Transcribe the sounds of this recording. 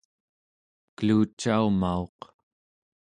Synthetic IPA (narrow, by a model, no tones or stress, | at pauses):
kəluːt͡ʃːaumaoq